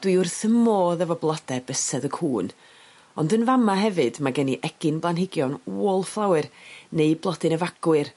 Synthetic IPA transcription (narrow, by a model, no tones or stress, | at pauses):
d̥wiʊrθəmoːðəvɔblˠɔd̥ɛb̥əsɛðəkʰuːn | ɔndənvamaɦɛvɨdmaɡəniʔɛɡ̥ɪnblˠanhɪɡjɔnuɔlˠflˠawɨrneɨblˠɔdɨnəvaɡ̥wɨr